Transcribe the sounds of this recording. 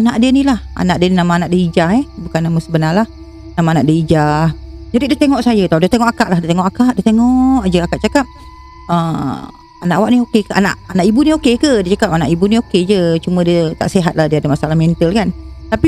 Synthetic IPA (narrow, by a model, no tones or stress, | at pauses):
anaʔdiənilaha̰naʔdiəninamaːnaʔdəid͡ʒaɦɛbukanːamasəbənalah | namaːnaʔdəid͡ʒad͡ʒadiʔdət̪eŋɔʔsajət̪audət̪eŋɔʔakaʔlaɦdiət̪eŋɔʔakaʔdət̪eŋɔʔd͡ʒəakaʔt͡ʃakap̚ | əm | anaʔawaʔniokekəʔa̰na̰ʔanaʔibuniokekədiət͡ʃakap̚anaʔibunioked͡ʒət͡ʃumə̃diət̪a̰ʔseɦat̪̚lahdiəadəmasalahmɛnt̪əlkant̪api